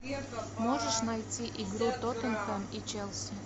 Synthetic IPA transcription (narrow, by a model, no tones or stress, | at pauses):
moʒəʂnajtʲiʔiɡɾut̪ot̪ənt̪amit͡ʃelˠs